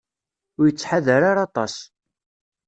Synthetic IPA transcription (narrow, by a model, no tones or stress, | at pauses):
ʊɾjət͡sːħaðəɾaɾɑt̪ˤɑ̰s